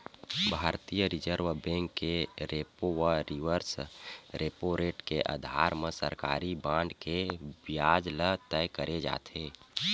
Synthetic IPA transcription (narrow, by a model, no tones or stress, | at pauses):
bʱaːɾt̪ijəɾɪd͡ʒəɾʋbẽːŋkːeɾeːpoʋəɾiʋəɾsɾeːpoɾeːʈkeʔa̰ːd̪ʱa̰ːɾmẽsə̰ɾkaːɾibãːɳɖkebjaːd͡ʒlət̪ɛjkəɾʔed͡ʒa̰ːt̪ʰeː